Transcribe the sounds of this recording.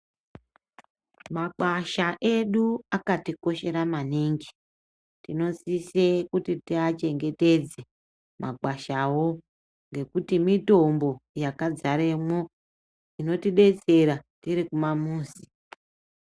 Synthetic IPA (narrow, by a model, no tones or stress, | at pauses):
maǃaʃaʔe̞ɗuakatiko̞ʃe̞ɾamaniŋɡi | tino̞sisekutitiat͡ʃe̞ŋɡe̞te̞d͡ze | mʔaɡ͡baʃawo̞ | ŋɡe̞kutimito̞mbo̞jakad͡zaɾe̞mwo̞ | ino̞tiɗe̞t͡se̞ɾatiɾikumamuːsi